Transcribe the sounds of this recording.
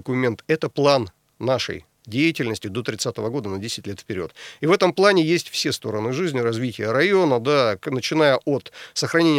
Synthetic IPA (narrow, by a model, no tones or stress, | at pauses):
kʊmʲe̞nt̪ɛt̪əplˠanː | aʂə̰j | dʲejɪtʲɪlʲnəsʲtʲɪd̪o̞t̪ɾʲɪt̪sat̪əvəɡo̞d̪ənɐdʲesʲɪtʲlʲe̞t̪fpʲɪɾʲo̞̰t̪ivɛt̪əmplˠanʲɪjesʲtʲfsʲe̞st̪o̞ɾənɨʐɨzʲnʲɪɾɐzvʲitʲɪjəɾɐjo̞nəd̪anət͡ɕɪnajəʔo̞t̪səxɾɐnʲenʲɪ